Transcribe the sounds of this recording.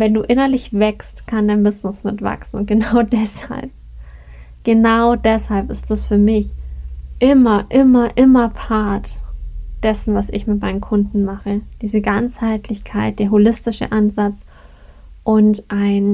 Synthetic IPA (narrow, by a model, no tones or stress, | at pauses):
vɛnduːʔɪnɐlɪçv̥ɛkstkʰandaɪnbɪznɪsmɪtv̥a̰ksn̩ʊnt̚ɡ̥ənaʊdɛsha̰lp̚ | ɡ̥ənaʊdɛshalpɪstd̥asfyːɐmɪçʔɪmɐʔɪmɐʔɪmɐpʰaɐtd̥ɛsn̩vasɪçmɪt̚maɪnənkʰʊndn̩maχəd̥iːzəɡant͡shaɪtʰlɪçkʰaɪt̚d̥eːɐɦolɪstɪʃə̰ʔanzat͡s | ʔʊntʔaɪn